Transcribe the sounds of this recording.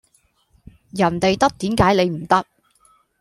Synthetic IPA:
jɐ˨˩nt̪e˨jt̪ɐ˥k̚t̪iː˨˥mkaː˨˥jle˨˧jm̩˨˩t̪ɐ˥k̚

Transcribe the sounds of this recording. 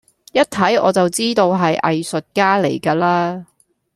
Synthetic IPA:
jɐ˥t̚t̪ʰɐ˨˥jɔ̰ː˨˧t͡sɐ˨wt͡siː˥t̪o˧wɦɐ˨jʔɐ̰˨jsɵ˨t̚kaː˥lḛ˨˩jkaː˧laː˥

